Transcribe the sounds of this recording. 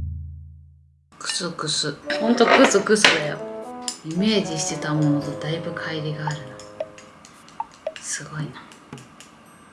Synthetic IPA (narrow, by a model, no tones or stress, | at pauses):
kɯ̥sɨkɯsɨhõ̞nt̪okɯ̟sɨkɯ̟sɨd̪ajo̰ime̞ːd͡ʑiɕi̥t̪e̞t̪amo̞not̪od̪aibɯ̟kʰaiɾʲiɡaːɾɯ̟no | sɨɡo̞ina